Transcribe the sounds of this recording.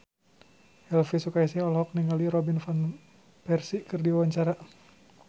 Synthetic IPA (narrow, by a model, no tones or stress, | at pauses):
hɛlfisukaisihɔlhɔk̚niŋaliɾɔbinfan | pɛrsikɨrdiawaɲt͡ʃaɾa